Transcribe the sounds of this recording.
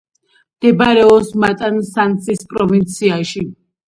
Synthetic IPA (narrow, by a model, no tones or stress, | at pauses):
md̪̥ɛbaɾɛɔsmat̪ʼansant̪sʰispʼɾɔvint̪sʰiaʃi